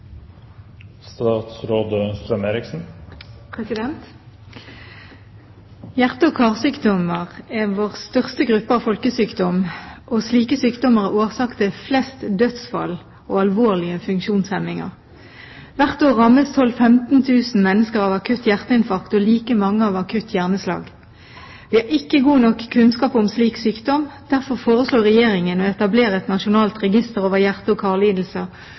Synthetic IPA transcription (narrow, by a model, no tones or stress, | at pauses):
st̪ɑːt̪sɾoːd̪əst̪ɾɑmeːɾɪksn̩pʰʁɛsɪd̪ɛnt̪ | jæʁt̪əɔkʰɑːʁsyːkd̪ɔməʁɛʋoːʁst̪œʁst̪əɡʁʉpːəɑʋfɔlkəsyːkd̪ɔmʔoːsliːkəsyːkd̪ɔməʁæoːʁsɑkt̪ʰɪflɛst̪d̪øːd̪sfɑ̰l | oːɑlʋoːʁlɪəfʉŋkʃuːnshɛmɪŋə̰ʁ | ʋæʁt̪oːʁɑmːəst̪ʰɔlːfɛmt̪n̩t̪ʰʉːsn̩mɛnːəskəʁɑːʋɑkʰʉt̪ːjæʁt̪əɪnfɑkt̪ɔliːkəmɑŋːəɑːʋɑkʰʉt̪ʰːjæʁnəslɑ̰ːɡ | ʋɪhɑʁɪkːəɡuːnɔkːkʰʉnskɑːpʊmsliːksyːkd̪ɔmd̪̥æʁfɔʁfoːʁəsloːʁɛjeːʁɪŋənɔɛt̪ɑbleːʁəɛt̪nɑʃʊnɑːlt̪ʁɛɡɪst̪əʁoːʋəʁjæʁt̪əɔkʰɑːʁliːd̪l̩sə